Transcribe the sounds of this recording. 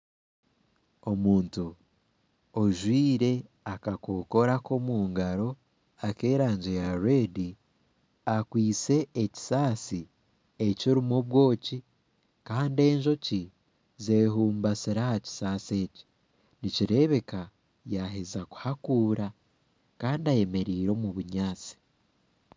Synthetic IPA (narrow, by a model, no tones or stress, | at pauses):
o̞muːntu | oʒwiːɾe̞ | akako̞ko̞ɾako̞muːŋɡaɾo̞ | ake̞ːɾaːɲɟejaɾeːdi | akwiːt͡se̞eci̥saːsi | e̞ciɾimoβwo̞ːci | kaːnde̞ːɲʒo̞ci | zeːɦuːmbasiɾahaci̥saːse̞ːci̥ | niciɾe̞βe̞ka | jaɦezaku̥hakuːɾa | kaːndiaje̞me̞ɾiːɾo̞muβuɲaːt͡si̥